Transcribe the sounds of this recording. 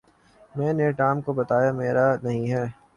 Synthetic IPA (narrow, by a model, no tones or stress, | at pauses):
mɛ̃ːneʈaːmkobɐt̪aːjameːɾanɐɦĩɦɛː